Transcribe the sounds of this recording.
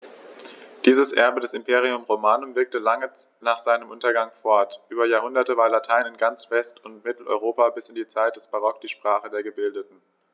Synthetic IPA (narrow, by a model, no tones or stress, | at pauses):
d̥iːzəsʔɛɐbədɛsɪmpʰeːʁ̞iʊmʁomaːnʊmvɪɐk̚təlaŋə | naːχz̥aɪnəmʔʊntɐɡaŋfɔɐtʔyːbɐjaːɐhʊndɐtəvaːɐlatʰaɪnɪnɡant͡sv̥ɛstʊntmɪtl̩ʔɔ̰ʏʁoːpabɪsɪndiːt͡saɪt̚d̥ɛsb̥aʁɔk̚d̥iːʃpʁ̥aːχədeːɐɡəbɪldətn̩